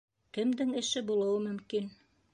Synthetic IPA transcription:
kɘ̆md̪ɘŋɘ̆ʃɘbulˠɤ̆wɤmɵ̆mkin

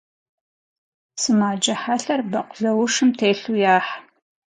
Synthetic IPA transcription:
sɨmaːd͡ʒɐħaɬɐrbɐqʷʊɮɐwʊʂɨmtʰeːɬujaːħ

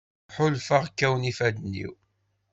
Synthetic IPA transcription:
ħʊlfəʁkːæwnifæd̪nːḭw

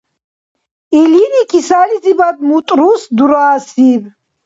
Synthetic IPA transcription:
ilinikʰisalizibad̪̚mut̪ʼɾusd̪uɾaːsib

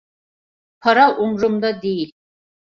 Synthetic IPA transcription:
pʰaɾaʔumɾʊmd̪ad̪ejil

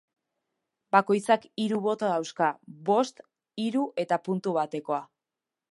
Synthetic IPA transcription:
bako̞jt͡sakiɾuβo̞t̪oðawskaβo̞st̪ | iɾuʔe̞t̪apunt̪uβ̞at̪e̞ko̞a

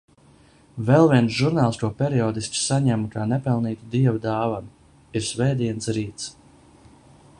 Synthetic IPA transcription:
vɛlˠviɛnsʒuɾnaːlˠst̪uɔpʲɛɾiɔːd̪iskssaɲæmkaːnɛpɛlˠniːt̪ud̪iɛvud̪aːvan | iɾsvɛjd̪iɛnsɾiːt̪s

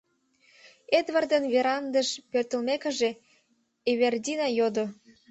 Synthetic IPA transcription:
ed̪βɑrd̪ənveɾɑnd̪əʃpørt̪ə̆lmekə̆ʒe | eβerd̪ʲinɑjod̪o

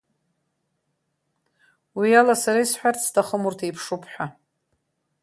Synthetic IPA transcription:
wialasaɾaisħʷᶣart͡sʰtʰaχəmurtʰajpʰʂupʰħʷᶣa

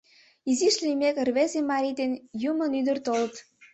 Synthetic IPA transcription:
iziʃlimʲekərβezemɑɾʲid̪enjumə̆nyd̪ərt̪olət̪

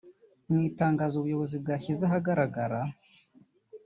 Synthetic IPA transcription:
mwiːtaːŋɡaːzuβujo̞βo̞zib̚ɡaːçizaɦaɡaɾaɡaɾa

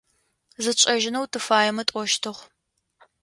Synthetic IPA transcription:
zɨt͡ɕʼɐʒɪnɐwtʰɨfaːjɛmɐtʼɔʃtʰɨʁʷ

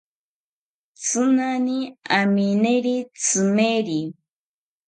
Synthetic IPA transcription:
t͡sɨnaniamineɾit͡sɨmeɾi

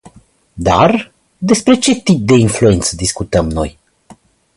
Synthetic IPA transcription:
d̪a̰r | d̪e̞spɾe̞t͡ʃe̞t̪ip̚d̪e̞influe̞nt̪səd̪iskut̪əmno̞̰j

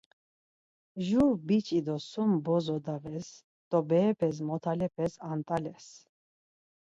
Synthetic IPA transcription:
ʒuɾbit͡ʃʼid̪ɔsumbɔzɔd̪avɛs | d̪̥ɔbɛːpʰɛs̬mɔt̪ʰalɛpʰɛsant̪ʼalɛs

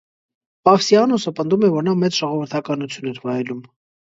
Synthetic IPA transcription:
pɑfsiɑnɔsəpənd̪umɛvɔɾnɑmɛt͡sʒ̥ɔʁɔvəɾt̪ʰɑkɑnut͡sʰjunɛɾvɑjɛlum

